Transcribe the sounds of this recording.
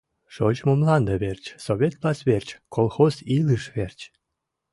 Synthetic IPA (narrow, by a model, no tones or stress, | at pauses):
ʃot͡ɕmomlɑnd̪əβert͡ɕsoβʲet̪̚plɑsβert͡ɕkolˠxozilɨʃβert͡ɕ